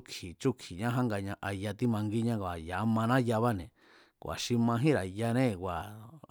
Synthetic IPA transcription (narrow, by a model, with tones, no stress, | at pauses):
kʰi˨t͡ʃu˦kʰi˨ɲã˦ɦã˦ŋɡa˧ɲã˧ʔa˧ja˧t̪i˦mã˧ŋɡi˦ɲã˦ka˨ja˨˦mã˧nã˦ja˧βa˦nẽ˨ | kʷa̰˨ʃi˧mã˧ɦĩ˦ɾa˨ja˧nẽ˦kwa˨